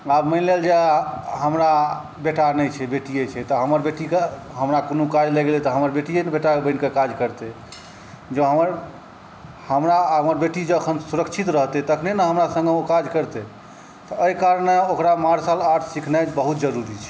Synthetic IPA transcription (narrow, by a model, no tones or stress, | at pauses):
abməɪnleld͡ʒeɦəmɾa | beʈanɛjt͡ʃʰɛbeʈijet͡ʃʰɛt̪ɔɦəməɾbeʈikeɦəmɾakonukad͡ʒleɡelit̪ɔɦəməɾbeʈijenbeʈaebəɪnkekad͡ʒkəɾt̪e | d͡ʒeɦəməɾ | həmɾaəməɾbeʈid͡ʒeəkʰənsuɾəkt͡ʃʰit̪ɾəɦt̪ɛt̪əkʰnenəɦəmɾasə̃ŋɡeokad͡ʒkəɾt̪ɛ | t̪ɔəjkaɾəneokɾamaɾsalaɾʈʰsikʰnat͡ʃbəɦut̪̚d͡ʒəɾuɾit͡ʃʰɛ̥